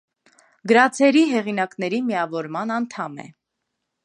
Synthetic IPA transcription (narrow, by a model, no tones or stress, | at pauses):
ɡəɾɑt͡sʰɛɾiɦɛʁin̪ɑknɛɾimijɑvɔɾmɑnɑnt̪ʰɑmɛ̰